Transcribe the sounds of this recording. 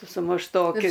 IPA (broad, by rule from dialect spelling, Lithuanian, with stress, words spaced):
sʊ mʊʃˈtoːkʲɪ